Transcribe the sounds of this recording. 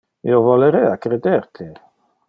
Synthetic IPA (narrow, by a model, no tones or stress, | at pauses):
ḭovɔleɾɛakɾed̪ert̪ʰe